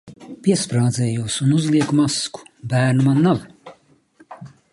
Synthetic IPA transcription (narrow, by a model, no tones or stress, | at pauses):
pʲiɛspɾaːd̪zɛːjuɔsunuzliɛkumasku̥bæːɾnumanːaw